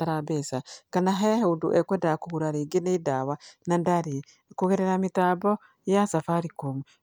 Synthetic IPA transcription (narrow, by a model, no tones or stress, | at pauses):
taɾabɛsakanaɦaaheundṵʔɛkwɛndakuɣuɾaɾeːɡeneidawanandaɾi | kuɣeɾeɾamitaːbɔ | jasafaɾikomu